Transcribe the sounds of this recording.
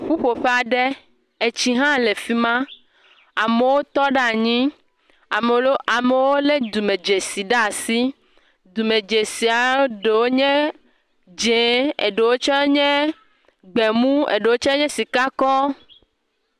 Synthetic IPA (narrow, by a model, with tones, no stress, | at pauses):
ɸu˦ɸo˨ɸe˦a˨ɖe˦ | e˨t͡ʃi˦ɦã˦le˨fi˦mã˦ | a˨me˨wo˦t̪ɔ˦ɖa˦˨ɲĩ˦ | a˨me˨˦a˨me˨wo˦le˦d̪u˨me˨d͡ʒe˨si˨ɖa˦˨si˦ | d̪u˨me˨d͡ʒe˨si˨a˨˦ɖe˨wo˦ɲɛ̃˦ | d͡ʒe˨˦ḛ˨ɖe˨wo˦t͡ʃɔ˦e˦ɲɛ̃˦ | ɡ͡be˨mũ˦ḛ˨ɖe˨wo˦t͡ʃɔ˦e˦ɲɛ̃˦si˨ka˦kɔ˦